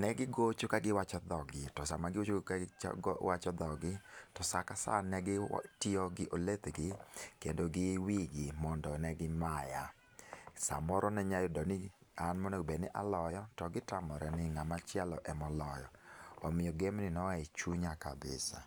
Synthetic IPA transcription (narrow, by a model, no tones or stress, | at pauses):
nɛɡɪɡot͡ʃokaɡɪwat͡ʃɔd̪ɔɡɪtɔsamaɡɪot͡ʃoka̰ɡɔwat͡ʃɔd̪ɔɡɪtɔsakasa̰nɛɡɪtɪɔɡɪʔolet̪ɡɪkendoɡɪwiɡɪmɔndɔnɛɡɪmaja | sa̰mɔɾɔnɛɲajʊdɔnɪanmɔnɛbenɪʔalɔjɔtɔɡɪtamɔɾɛnɪŋamat͡ʃɪɛlɔʔɛmɔlɔjɔɔmɪjɔɡemnɪnɔaɛt͡ʃuɲaka̰bɪ̰sa̰